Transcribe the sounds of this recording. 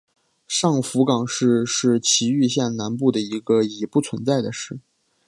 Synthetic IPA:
ʂɑ˥˩ŋfu˧˥kɑ˨˩ŋʂɻ̩˥˧ʂɻ̩˥˩t͡ɕʰi˧˥y˥˧ɕjɛ˥˩nna˧˥npu˥˩d̪ə˩i˧˥ɡə˧i˨˩pu˥˩t͡sʰwə˧˥nt͡sa˥˩ɪd̪ə˩ʂɻ̩˥˩

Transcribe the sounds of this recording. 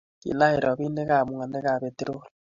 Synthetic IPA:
kḭ˨na˦e˨ɾo˨βi˦ne˦ɣa˨mu˨ŋa˨ne˦ɣa˨βe˨te˦ɾo˦la

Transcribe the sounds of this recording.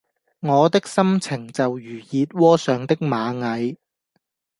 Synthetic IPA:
ŋɔː˨˧t̪ɪ˥k̚sɐ˥mt͡sʰɪ˨˩ŋt͡sɐ˨wjyː˨˩jiː˨˧t̚wɔː˥sœː˨ŋt̪ɪ˥k̚maː˨˧ŋɐ˨˧j

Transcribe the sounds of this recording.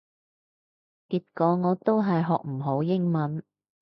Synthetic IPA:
kiː˧t̚kɔː˨˧ŋɔː˨˧t̪o˥wɦɐ˨jɦɔː˨k̚m̩˨˩ɦo˨˥wjɪ˥ŋmɐ˨˥n

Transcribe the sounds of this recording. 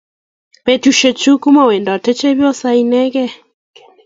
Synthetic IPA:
pe˨tu˨ʃe˨t͡ʃu˦ku˦ma˨wɛ˨ndɔ˨tɛ˦t͡ʃɛ˦βjɔ˦sa˦i˦nɛ˦ɣɛ˦

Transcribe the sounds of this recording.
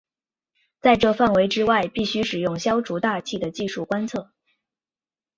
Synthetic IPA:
t͡sa˥˧ɪʈ͡ʂɤ˥˧fa˥˩nwe˧˥ɪʈ͡ʂɻ̩˥wa˥˧ɪpi˥˩ɕy˥ʂɻ̩˨˩jʊ˥˩ŋɕjɑ˥ʊʈ͡ʂu˧˥t̪a˥˧t͡ɕʰi˥˩d̪ə˩t͡ɕi˥˧ʂu˥˩kwa˥nt͡sʰɤ˥˩

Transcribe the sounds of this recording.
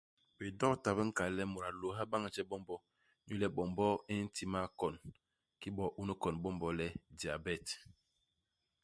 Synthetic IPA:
bi˨dɔ˦ta˨bə˦ŋ̩˦ka˨˦lɛ˦mu˨ɾa˨lo˨ɦa˦ba˦ŋ˨t͡ʃɛ˦bɔ˦mbɔ˦ | ɲu˦lɛ˦ɓɔ˨mbɔ˦i˦n̩˦ti˦ma˦kɔ˨n | ki˦bɔ˨ʔu˦nə˦kɔ˨nbɔ˦mbɔ˦lɛ˦di˨a˨bɛ˦˨t

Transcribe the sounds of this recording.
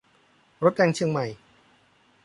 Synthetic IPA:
ɾo˦˥t̪̚ɾɛː˧ŋt͡ɕʰɯ˧əŋma˨˩j

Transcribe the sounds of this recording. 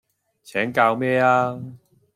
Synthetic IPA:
t͡sʰɛː˨˥ŋkaː˧wmɛː˥aː˧

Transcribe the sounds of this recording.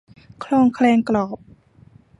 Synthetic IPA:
kʰlɔː˧˥˨ŋkʰlɛː˧ŋklɔː˨˩p̚

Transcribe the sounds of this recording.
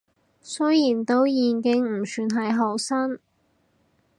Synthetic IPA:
sɵ˥jjiː˨˩nt̪o˥wjiː˨nkɪ˨˧ŋm̩˨˩syː˧nɦɐ˨jɦo˨˩wsɐ˥n

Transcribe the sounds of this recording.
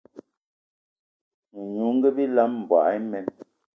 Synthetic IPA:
n̩˨ɲu˨˦ŋ̩˦ɡe˦bi˦la˦mm̩˨bwa̰˨˦mɛ˨˦n

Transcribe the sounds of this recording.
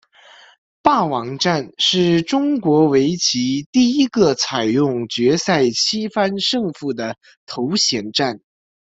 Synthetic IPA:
pa˥˩wɑ˧˥ŋʈ͡ʂa˥˧nʂɻ̩˥˩ʈ͡ʂʊ˥ŋkwɔ˧˥we˧˥ɪt͡ɕʰi˧˥t̪i˥˩i˥ɡə˧t͡sʰa˨˩ɪjʊ˥˩ŋt͡ɕɥɛ˧˥sa˥˩ɪt͡ɕʰi˥fa˥nʂɤ˥˧ŋfu˥˩d̪ə˩ | t̪ʰo˧˥ʊɕjɛ˧˥nʈ͡ʂa˥˩n

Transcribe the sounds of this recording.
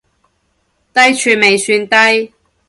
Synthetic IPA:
t̪ɐ˥jt͡ʃʰyː˧nme˨jsyː˧nt̪ɐ˥j

